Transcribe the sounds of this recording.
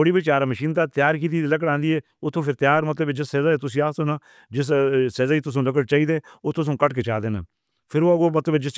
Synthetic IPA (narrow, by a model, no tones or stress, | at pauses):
oːɽiːbit͡ʃaːɾaːməʃiːnt̪aːt̪jaːɾkiːt̪iːd̪iːləkəɽãːnd̪iːɛː | ʊt̪ʰːõːpʰɪɾt̪ɪjaːɾmət̪ləbeːd͡ʒɪsːɛːzaːeːt̪ʊs̬iːaːsonaː | d͡ʒɪs̬sɛːzaːiːt̪ʊs̬õːləkəɽt͡ʃaːiːd̪eːoːt̪ʰːʊsõːkəʈkeːt͡ʃaːd̪eːnə̰ | pʰɪɾoːəɡoːmət̪ləbed͡ʒɪs